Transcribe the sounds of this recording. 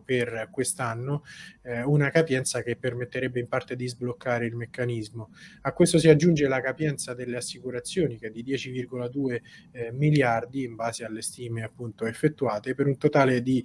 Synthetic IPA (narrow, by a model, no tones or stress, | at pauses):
perkwest̪anːo | unakapjɛnt̪sakepːermet̪ːeɾɛbːeimpart̪ed̪izblokːaːɾeilmekːanizmoakːwest̪osiad͡ʒːund͡ʒelakapjɛnt̪sad̪elːeasːikuɾat̪sːjoːnik̟ɛd̪ːid̪jɛːt͡ʃivirɡolad̪uːemiljard̪iːɱbaːzealːest̪iːmeapːunt̪oefːet̪ːuaːt̪epeɾunt̪ot̪aːled̪i